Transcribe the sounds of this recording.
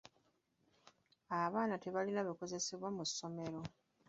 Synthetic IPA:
aβaːnate̞βalinaβiko̞ze̞se̞βwamusːo̞me̞ɾo̞

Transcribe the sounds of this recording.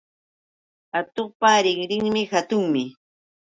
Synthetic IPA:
at̪oχpaɾɪŋɾɪŋmɪxat̪ʊŋmɪ

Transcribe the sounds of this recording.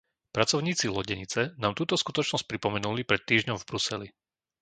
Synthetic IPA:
pɾat͡sɔʊɲiːt͡silɔɟɛɲit͡sɛnaːmt̪uːt̪ɔskut̪ɔt͡ʃnɔsc̚pɾipɔmɛnulipɾɛt̪ːiːʒɲɔmvbɾusɛli

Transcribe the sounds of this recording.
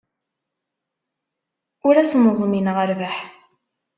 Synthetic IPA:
ʊɾæsnəðˤminʁəɾvaħ

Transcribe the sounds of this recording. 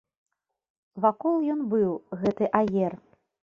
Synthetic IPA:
vakɔlˠjɔnbɨwɣɛt̪ɨʔajʲɛr

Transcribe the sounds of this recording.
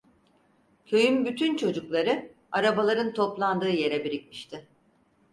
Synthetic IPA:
cʰø̞jymbyt̪ʰynt͡ʃʰo̞d͡ʒuklˠaɾɯ | aɾabalˠaɾɯnt̪ʰo̞plˠand̪ɯːje̞ɾɛbiɾic̚miʃt̪ʰɪ

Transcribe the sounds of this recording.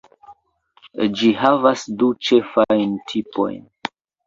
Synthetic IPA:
d͡ʒiɦavasdut͡ʃe̞fajntʰipo̞̰jn

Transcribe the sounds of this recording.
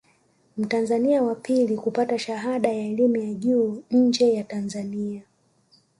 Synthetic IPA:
m̩tanzaniawapilikupataʃaɦaɗajaɛlimujaʄuːɲ̩d͡ʒɛjatanzania

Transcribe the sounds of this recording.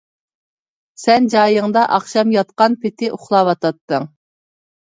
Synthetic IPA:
sɛnd͡ʒɑːjɨŋd̪ɑʔɑχʃɑmjɑt̪qɑnpʰɪt̪ʰɪʔʊχlˠɑwɑt̪ɑt̪ːɨŋ

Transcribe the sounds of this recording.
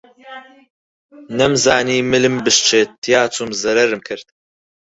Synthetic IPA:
nɐmzaːniːmɨlɨmbɨʃt͡ʃʰeːt̪ʰːijaːt͡sʰumzɐɾɐɾɨmkʰɨɾd̪̥̚

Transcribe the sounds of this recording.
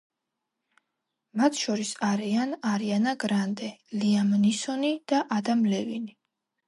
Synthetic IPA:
mat̪ʰʃɔɾisaɾianaɾianaɡɾand̪ɛliamnisɔnid̪̥aʔad̪amlɛvini

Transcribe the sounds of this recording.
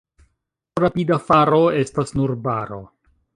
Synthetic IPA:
ɾapidafaɾo̞e̞stasnuɾbaɾo̞̰

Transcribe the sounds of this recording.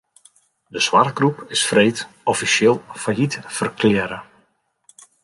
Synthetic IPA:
dəswarɡrupɪsfrejt | ɔfisɪːlˠfajitfərklɪɾə

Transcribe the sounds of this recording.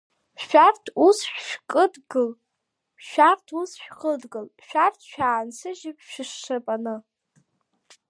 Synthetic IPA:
ʃᶣartʰusħʷᶣʃᶣkʼɨdɡɨl | ʃᶣartʰusħᶣχədɡɨlʃᶣartʰʃᶣaːnsʰɨʒɪpʰʃɪʂːɨpʼanɨ

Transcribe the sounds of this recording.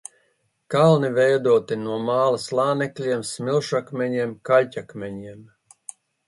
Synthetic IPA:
kalˠnivɛjd̪uɔt̪inuɔmaːlˠaslˠaːnɛklʲiɛmsmʲilˠʃakmʲɛɲiɛmkalʲcʲakmʲɛɲiɛm

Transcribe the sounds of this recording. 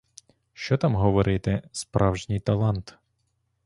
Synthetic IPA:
ʃt͡ʃɔt̪ɑmɦɔʋɔɾʔɪt̪ɛspɾʔɑwʒnʲijt̪ɐlˠɑnt̪

